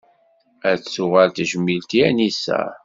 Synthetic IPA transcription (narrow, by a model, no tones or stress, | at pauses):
æt͡sːsʊʁælt̪ʒəmːilt̪iænisæ̰